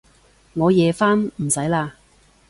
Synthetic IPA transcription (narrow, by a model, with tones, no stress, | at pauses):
ŋɔː˨˧jɛː˨˧faː˥nm̩˨˩sɐ˨˥jlaː˧